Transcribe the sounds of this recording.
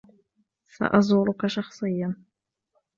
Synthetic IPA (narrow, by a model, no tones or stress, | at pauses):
sa̰ʔɑzˤʊɾʊkaʃɑxsˤɨjːan